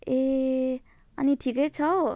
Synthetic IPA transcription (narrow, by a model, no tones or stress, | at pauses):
e | a̰niʈʰiket͡ʃʰɔ